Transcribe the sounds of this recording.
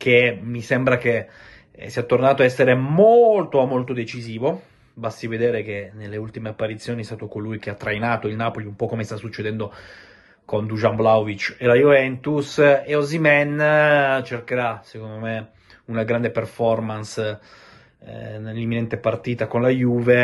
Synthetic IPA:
k̟emisɛmbɾak̟e | siat̪ːornaːt̪oaɛsːeɾemolt̪oamːolt̪od̪et͡ʃiziːvo | bast̪ived̪eːɾek̟enelːeult̪imeapːaɾit̪sːjoːniɛst̪aːt̪okolujk̟eat̪ːɾajnaːt̪oilnaːpoliumpɔkːomest̪asːut͡ʃːed̪ɛnd̪o | kond̪uʒamblawvit͡ʃelajuvɛnt̪useozimɛn | t͡ʃerkeɾasekond̪ome | unaɡɾand̪eperfɔrmans | nelːimːinɛnt̪epart̪iːt̪akonlajuːve

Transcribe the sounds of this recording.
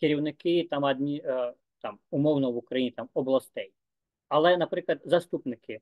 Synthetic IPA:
kɪɾʲiwnɪkɪt̪amɐd̪ʲnʲi | t̪amumɔwnɔwukɾajinʲit̪amɔblˠɐst̪ɛj | ɐlˠɛnapɾɪklˠɐd̪zɐst̪upnɪkɪ

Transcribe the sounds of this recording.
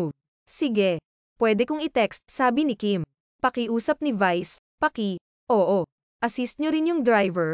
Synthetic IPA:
sɪɡɛ | pwɛːd̪ɛkʊŋɪt̪ɛkst̪̚saːbinɪkim | pɐkɪʔuːsɐp̚nɪvajs | pɐki | ʔoːʔo | ʔɐsist̪̚ɲoɾɪnjʊŋd̪ɾajvɛɹ

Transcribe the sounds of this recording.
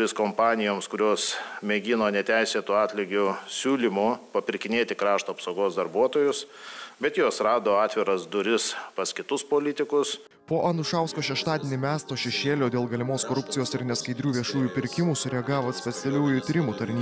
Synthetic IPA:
ɪskoːmpɑːnʲɪjoːmskʊɾʲoːsmʲeɡʲɪnoːnʲɛt̪ʲæɪsʲeːt̪uɑːt̪ʲlʲɪɡʲʊsʲuːlʲimʊpɐpʲɪɾʲkʲɪnʲeːt̪ʲɪkɾɑːʃt̪uɐpsoʊɡoːsd̪ɐɾbuɔt̪oːjʊsbʲɛt̪joːsɾɑːd̪oːɑːt̪ʲʋʲɪɾɐsd̪ʊɾʲɪspɐskʲɪt̪ʊspoːlʲɪt̪ʲɪkʊs | poːʔɐnʊʃɑˑʊskoːʃʲɛʃt̪ɑːd̪ʲeːnʲimʲæːst̪oːʃʲɛʃʲeːlʲoːd̪ʲeːlˠɡɐlʲɪmoːskoːɾʊpʲt̪ʲɪjoːsɪɾnʲɛskɐɪd̪ʲɾʲuːʋʲiɛʃuːjuːpʲɪɾʲkʲɪmuːsʊɾʲɛɐɡɑːʋoːsʲpʲɛt̪sʲɛlʲuːjʊt̪ʲiɾʲɪmuːt̪ɐɾʲnʲiː

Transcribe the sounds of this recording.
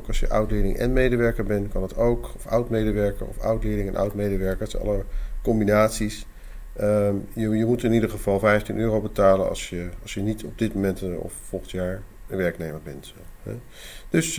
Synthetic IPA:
kɑlˠsjəʔʌwtlɪːdɪ̰ŋʔɛ̰nmejdəʋɛɹkəɹbɛnkɑnɑtowkɔfʌwtmejdəʋɛɹkə̰ɹɔ̰fʌ̰wtlɪːɹdɪŋɛnʔʌ̰wtmejdəʋɛɹkəsɛ̰nɑ̰ləkɔmbinaːtsis | əjəjəmutɪnidəɹχəv̥ɑlˠvɛjftinøːrowbətaːlənɑ̰sjəɑsjənitɔb̚dɪt̚momɛntɔ̰ffɔlˠχəntjaːɹ | ʋɛɹknejməɹbɛnt | ɛ̰ | d̥ɵs

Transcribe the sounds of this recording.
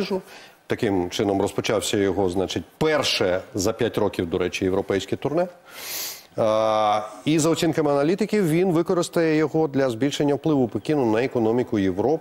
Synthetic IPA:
ʒʊt̪ɐkɪmt͡ʃɪnɔmrɔspɔt͡ʃɑwsʲɐjɔɦɔznat͡ʃɪt̚ʲpɛrʃɛzɐpʲjatʲrɔkʲiwd̪ɔɾɛt͡ʃʲijeʋɾɔpɛjsʲkɪt̪ʊrnɛ | izɐɔt͡sʲinkɐmɪɐnɐlʲit̪ɪkʲiwʋʲinʋɪkɔɾɪst̪ɐjɛjɔɦɔd̪lʲɐzbʲilʲʃenʲːɐwplˠɪʋʊpekʲinʊnɐekɔnɔmʲikʊjeʋɾɔ

